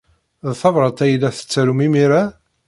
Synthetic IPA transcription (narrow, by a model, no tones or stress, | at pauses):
ðθɑvɾˤɑt̪æjlæθə̥t͡sːæɾumimiɾæ